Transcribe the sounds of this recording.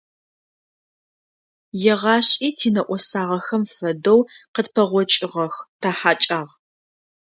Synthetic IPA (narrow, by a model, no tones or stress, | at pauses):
jɛʁɑːɕʼiːtʰiːnɐʔʷɔsaːʁɐxɐmfɐdɐwqədpʰɐʁʷɔt͡ʃʼɪʁɐxtʰaːħaːt͡ʃʼaːʁ